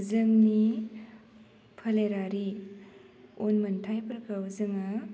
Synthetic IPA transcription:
zɯŋni | pʰɐleɾaɾi | onmɐntʰajpɐɾkʰauzɯŋa

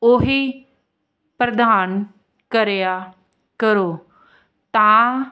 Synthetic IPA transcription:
oɦi | pɾəd̪aːn | kəɾeja | kəɾoː | t̪ãː

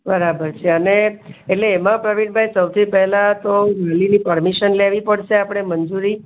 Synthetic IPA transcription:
bəɾabəɾt͡ʃʰeəneːʈleːmãpɾəʋiʈ̚bʱajsəwt̪ʰipɛɦlat̪oɾalinipəɾmiʃənleʋipəɽʃeapɳ̃emənd͡ʒuɾi

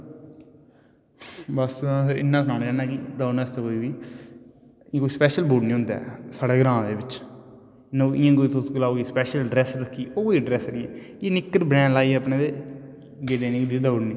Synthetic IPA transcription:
bəsɪ̰nːãːsnaːnːd͡ʒaːnaːkid̪aːunɛːst̪ekoːiːʋiː | ɪ̃ːkoːiːspɛːʃəlbuːɖnĩːɦʊ̃nd̪a̰ːsaːɽeːɡɾãːd̪eːbɪt͡ʃ | ɪnãɪjãːkoːiːt̪oɡəlaːoːɡiːspɛːʃəlɖɾɛːsɾəkʰːiːʔoːkoːiɖɾɛːsniːɛ̰̃ːjeːnɪkːəɾbɾɛ̃ːnlaːiːɛːəpnẽːt̪e | ɡeːd̪eːneːkd̪id̪aʊɽnĩː

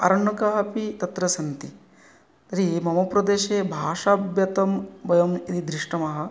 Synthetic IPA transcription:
ɐ̰ɾɐɳɐkaɦɐpit̪ɐt̪ɾɐsɐnt̪i | ɐɾimɐmɐpɾɐd̪eːʃeːbʱaːʂaːbjɐt̪ɐmbɐjɐmid̪id̪ɾiʂʈɐmɐɦɐ̆

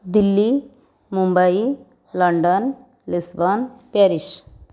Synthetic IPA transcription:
d̪ilːi | mumbai | lɐɳɖən | lisbanpeɾiʃ

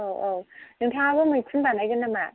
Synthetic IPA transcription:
oonɯŋtʰabɔmɯjkʰɯnbanajɡɯnːama

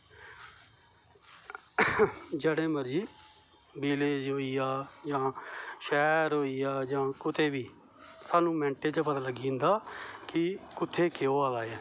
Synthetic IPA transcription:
d͡ʒəːɽẽːməɾd͡ʒiː | beːleːd͡ʒɦoːiːjaːd͡ʒãːʃɛːɾɦoːiːjaːd͡ʒãːkʊt̪eːbiː | saːnũːmɛ̃ːɳʈeːt͡ʃpət̪aːləɡĩːnd̪aːkɪkʊt̪ʰːeːkeoːaːlaːɛː

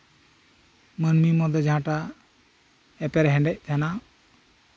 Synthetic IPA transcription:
mənmimɔd̪ɔd͡ʒʱãʈa | ɛpɛɾɦɛ̃ɳɖɛc̚ˀt̪ʰɛna

